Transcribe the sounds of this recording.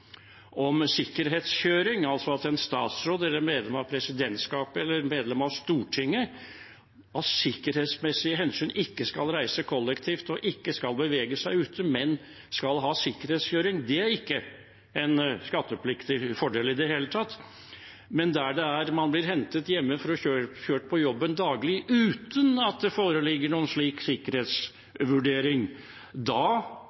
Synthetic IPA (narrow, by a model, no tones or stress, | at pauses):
ʔɔmsɪkːəɾɦeːt̪sçøːɾɪŋɑlsɔɑt̪ɛnst̪ɑ̰ːt̪sɾoːd̪ɛlːəɾmeːd̪lɛmɑʋpʰɾɛsɪd̪ɛnt̪skɑːpəɛlːəɾmeːd̪lɛmɑʋst̪uːʈʰɪŋːə | ɑt̪sɪkːəɾheːt̪smɛsɪəɦɛnsyːnɪkːəskɑlɾæɪsəkʰɔlːɛkt̪ʰiːft̪ɔʔɪkːəskɑlbəʋeːɡəsæɪʉːt̪ʰəmɛn | skɑlɦɑːsɪkːəɾheːt̪sçøːɾɪŋd̪ɛæɾɪkːə | ɛnskɑt̪ːəpʰlɪkt̪ɪfɔɖeːlɪd̪ɛɦeːlət̪ʰɑt̪ː | mɛnd̪æɖɛæɾmɑnblɪɾɦɛnt̪ət̪jɛmːəfɔɾɔçøːçøːʈ̚pʰɔjɔbːənd̪ɑːɡlɪʔʉːt̪ənɑt̪̚d̪ɛfoːɾəlɪɡːəɳuːənʂɭiːksɪkəɾheːt̪s | ʋʉɖeːɾɪŋ | d̪ɑː